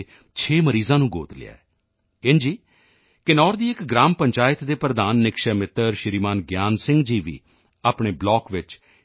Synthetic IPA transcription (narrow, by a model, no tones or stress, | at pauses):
t͡ʃʰeːməɾiːzãːnũːɡo̰ːt̪lɪ̰ja̰ːɛː | ɪnd͡ʒiː | kɪnɔːɾd̪iːɪkɡɾaːmpəɲt͡ʃaːɪət̪d̪eːpɾəd̪aːnːɪkʃəmɪt̪ːəɾʃɪɾiːmaːnɡjaːnsɪ̃ŋɡd͡ʒiːʋḭː | aːpɳeːblɔːkʋɪt͡ʃ